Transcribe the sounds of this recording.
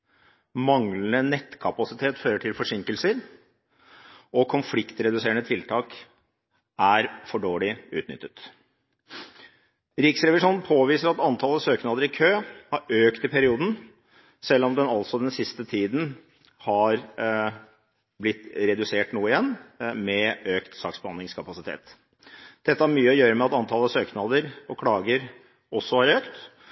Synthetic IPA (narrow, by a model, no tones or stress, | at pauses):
mɑŋlənənɛt̪ːkʰɑpɑsɪt̪ʰeːt̪føːɾəʈʰɪlfɔʂɪŋkəlsəɾ | ɔkʰʊnflɪkt̪ɾɛd̪ʉseːəɳət̪ʰɪlt̪ʰɑːk | ʔæɾfɔɖoːɭɪʉ̰ːt̪nʏ̰t̪ːət̪ | ɾɪksɾɛʋɪʂuːnn̩pʰoːʋiːsəɾɑt̪ɑnt̪ʰɑːləsøːknɑːd̪əɾɪkʰøːhɑɾøːkt̪ɪpʰæɾɪuːd̪n̩ | sɛlːɔmd̪ɛnɑlsɔd̪ɛnsɪst̪ət̪ʰiːd̪n̩ | hɑɾ | blɪt̪ːɾɛd̪ʉseːʈnuːəɪjɛnːmɛøːkt̪sɑ̰ːksbəhɑnɪŋskʰɑpɑsɪt̪ʰḛːt̪ | d̪̥ɛt̪ːəhæɾmyːəɔjøːɾəmɛɑt̪ɑnt̪ʰɑlːəsøːknɑd̪əɾɔkʰɽɑːɡəɾ | ɔsːɔhɑɾøːkt̪